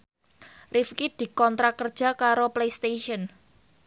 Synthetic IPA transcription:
rʔifkid̪̥i̤kɔnt̪ɾakərd̥ʒ̥a̤kaɾoplejst̪eʃiən

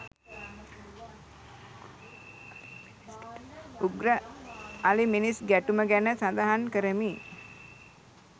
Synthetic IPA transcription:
uɡɾə | aliminisɡæʈuməɡænəsand̪aɦankəɾəmiː

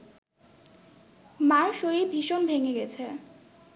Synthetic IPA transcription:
maɾʃoibʱiʃonbʱeŋeɡɛt͡ɕʰe

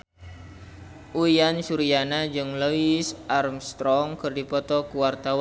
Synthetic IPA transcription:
ʔuijansuɾianad͡ʒɨŋloisʔarmst̪ɾɔŋkɨrdipɔt̪ɔkuwart̪awa

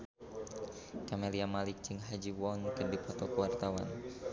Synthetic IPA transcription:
kameliamalɪk̚t͡ʃɨŋɦad͡ʒiwɔnkədipɔt̪ɔkəwart̪awa̰n

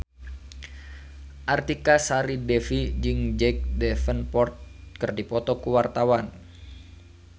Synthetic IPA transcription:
ʔart̪ikasaɾidɛfid͡ʒɨŋd͡ʒɛk̚dɛfənpɔrt̪̚kərdipɔt̪ɔkuwart̪awan

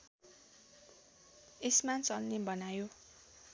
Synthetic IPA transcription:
esmat͡sʌlnebʌnajo

